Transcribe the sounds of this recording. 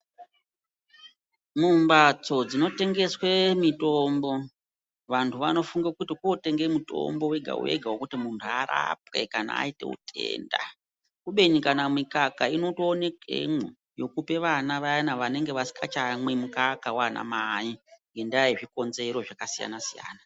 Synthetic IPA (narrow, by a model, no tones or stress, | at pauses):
mumbat͡so̞d͡zino̞te̞ŋɡe̞swe̞mito̞mbo̞ | ʋantʰuʋano̞fuŋɡekutikote̞ŋɡemuto̞̰mbo̞weɡʱa̰ṵe̞̰ɡʱawokutimuntʰuaɾa̰p̚we̞̰kana̰ːite̞̰ṵtʰḛːnda̰ | kuɓe̞nikanamikakaino̞toːne̞kḛmo | jo̞kupe̞ʋanaʋajanaʋane̞ŋɡe̞ʋasi̥kat͡ʃamwe̞mukakawana̰maiŋɡe̞ndiaeʐiko̞nze̞ɾo̞ʐakasija̰nasija̰ːna